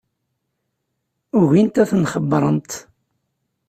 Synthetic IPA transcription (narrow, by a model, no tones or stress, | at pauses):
ʊʝint̪æθənχəbɾˤənt̪